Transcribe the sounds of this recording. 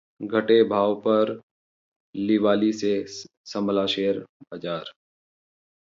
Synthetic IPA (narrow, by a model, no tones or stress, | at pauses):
ɡʱəʈebʱaːʋpɐɾ | lɪʋaːlise | sə̃mbʱlaʃeːɾbad͡ʒaːɾ